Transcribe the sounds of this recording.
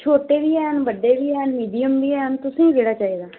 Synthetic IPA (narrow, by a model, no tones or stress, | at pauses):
t͡ʃʰoːʈeːʋiːɛːɦənbəɖeːbiːɛːɦnmiːɖijəmbiːɛːɦənt̪ʊsĩːiʋeːɽaːt͡ʃaːɦid̪aː